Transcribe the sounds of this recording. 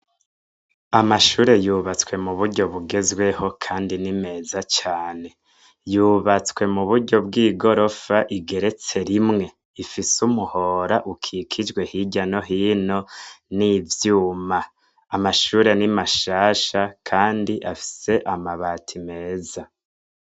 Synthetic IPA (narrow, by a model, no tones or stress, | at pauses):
amaʃuːɾe̞juβat͡swe̞muβuɾɟo̞βuɡe̞zɡwe̞ho̞kʰaːndinime̞ːzat͡ʃaːne̞ | juːβat͡swe̞muβuɾɟo̞b̚ɡiːɡo̞ɾo̞faʔiɡe̞ɾe̞t͡se̞ɾimŋe̞ | ifisumuho̞ɾaʔukʰikʰid͡ʒɡwe̞hiɟano̞ɦiːno̞nivjuːma | amaʃuːɾe̞nimaʃaːʃakʰaːndiʔafi̥se̞ʔamaβaːtʰime̞ːza